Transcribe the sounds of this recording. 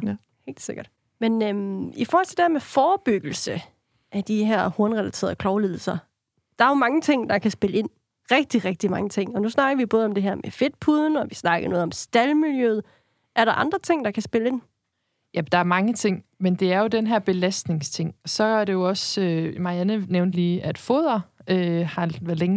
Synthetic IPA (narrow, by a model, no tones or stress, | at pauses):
he̝̰ːld̥seɡ̥ɐd̥ | menøifɔːhɒlt͡sʰed̥æɐmefɒːb̥yɡ̥l̩sə | ʔæd̥iɦæɐ̰hoɐnʁɛlæt͡sʰe̝ːɐðˠkʰlɒʊle̝ðˠl̩sɐ | d̥ɑ̈æɐjo̝mɑ̈ŋət͡sʰe̝ŋ̰d̥ɑ̈kʰæsb̥e̝ləe̝n̰ | ʁɛɡ̥̚d̥iʁɛɡ̥̚d̥imɑ̈ŋət͡sʰe̝ŋ̰ɒ̽nusnɑ̈ɡ̥ɐʋib̥ɔ̽ːð̞̩ˠɒ̽md̥e̝ɦæɐ̰mefe̝d̥̚pʰuð̞ˠn̩ɒ̽ʋisnɑ̈ɡ̥ɐnɔ̽ːð̩ˠɒ̽msd̥ælmiljøð̞̩ˠ | ʔæɐɾɑ̈ʔɑ̈nd̥ʁɐt͡sʰe̝ŋ̰d̥ɑ̈kʰæsb̥e̝ləe̝n̰ | jæd̥ɑ̈æɐmɑ̈ŋət͡sʰe̝ŋ̰mend̥e̝æɐjo̝d̥enɦæɐ̰b̥e̝læsd̥ne̝ŋst͡sʰe̝ŋ̰sɒ̽æɐɾe̝jo̝ɒ̽sømɑ̈iænəneʊnd̥liːʔæd̥foð̞̰ˠɐøhɑ̈ʋæɐleŋ